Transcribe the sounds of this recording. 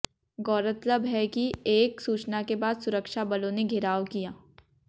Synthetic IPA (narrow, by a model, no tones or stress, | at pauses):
ɡɔːɾət̪ləbɦɛkieːksuːt͡ʃnakebaːd̪sʊɾəkʃabɐlõneɡʱɪɾaːʋkijaː